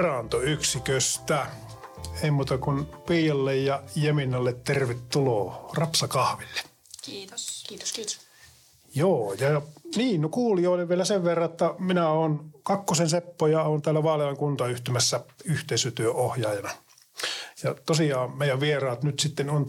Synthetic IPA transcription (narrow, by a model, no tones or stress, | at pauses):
rɑnt̪oyksikøst̪æ | eˑimuːt̪ɑkunpiːjɑlːejjɑjeminːɑlːet̪t̪erʋet̪tuloːrɑpsɑkɑhʋilːe̥ | joːjɑjɑniːnnokuːlioˑːleʋʋielæseʋʋerːɑet̪ːæminæoːnkɑkːosensepːojɑoːnt̪æːlːæʋɑːlelɑŋkunt̪ɑyht̪ymæsːæyht̪eˑisøt̪yøohjɑːjɑnɑ | jɑt̪osiɑːmmeˑijæʋʋierɑːt̪nyt̪sit̪ːenon